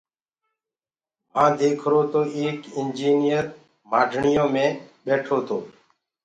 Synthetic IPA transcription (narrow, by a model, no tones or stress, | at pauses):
mãːd̪eːkʰɾoːt̪oːʔeːkɪnd͡ʒiːnɪjəɾ | maːɖʱɳɪjõːmẽːɓeːʈʰoːt̪ʰoː